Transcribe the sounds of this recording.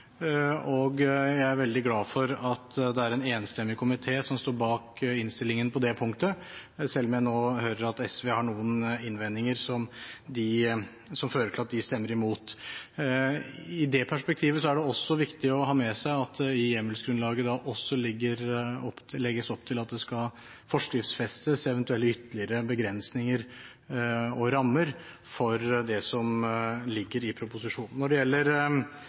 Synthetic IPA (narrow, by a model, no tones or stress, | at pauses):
ɔɡjæɪæɾʋɛld̪ɪɡlɑːfɔɾɑt̪d̪ɛæɾɛneːnst̪ɛmːɪkʰʊmɪt̪ʰeːsɔmst̪oːɾbɑːkɪnst̪ɪlɪŋənpʰɔd̪ɛpʰʊŋk̚t̪ə | sɛlːɔmjæɪnoːhøːɾəɾɑt̪ɛsʋeːhɑɳuːənɪnʋɛnːɪŋəɾsɔmd̪ɪ | sɔmføːləʈʰɪlɑt̪̚d̪ɪst̪ɛmːəɾɪmuːt̪ | ɪd̪ɛpʰæʂpɛk̚t̪ʰiːʋəs̬ɔæɖɛɔsːɔʋɪkt̪ɪɔɦɑːmɛsæɪɑt̪ɪjɛmːəlsɡɾʉnlɑːɡəd̪ɑʔɔsːɔlɪɡːəɾɔplɛɡːəsɔpːt̪ʰɪlɑt̪̚d̪ɛskɑ | fɔʂkɾɪft̪sfɛst̪əsɛʋənt̪ʉɛlːəʏt̪ːəlɪəɾəbəɡɾɛnsnɪŋəɾ | ɔɾɑmːəɾ | fɔɾd̪ɛsɔmlɪɡːəɾɪpʰɾʊpʊsɪʂuːnn̩ːɔɖɛjɛlːəɾ